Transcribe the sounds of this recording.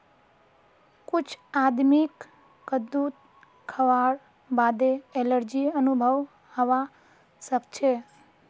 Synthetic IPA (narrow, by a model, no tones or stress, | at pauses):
kut͡ʃʰad̪mikː | əd̪ut̪ | kʰəʋaɽ | bad̪eeləɾd͡ʒiənubʱəʋ | həʋa | ʃəkt͡ʃʰe